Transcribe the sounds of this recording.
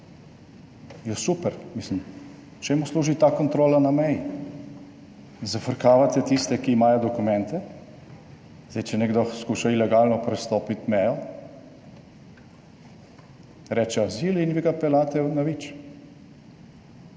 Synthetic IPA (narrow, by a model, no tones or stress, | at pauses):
jɛsupɛɾmislim | t͡ʃɛmusluːʒit̪aːkɔnt̪ɾoːlanamɛji | zafəɾkaːʋat̪ɛt̪ist̪ɛkiːmaːjɔd̪ɔkumɛnt̪ɛ | zajt͡ʃɛnɛɡd̪ɔxskuːʃailɛɡaːlnɔpɾɛst̪oːpit̪mɛjɔ | ɾɛt͡ʃɛazilinʋiɡapɛlaːt̪ɛnaʋit͡ʃ